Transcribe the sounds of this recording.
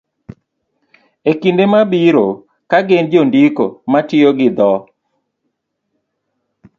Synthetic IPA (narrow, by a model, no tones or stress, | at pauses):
ekindemabiɾo | kaɡend͡ʒondiko̰matɪoɡɪd̪ɔ